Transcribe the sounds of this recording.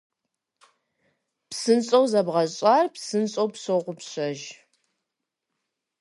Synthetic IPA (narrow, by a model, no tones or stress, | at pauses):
psɨnt͡sʼɐwzɐbʁɐɕʼaːrpsɨnɕʼowpsoʁʷʊpɕɐʒ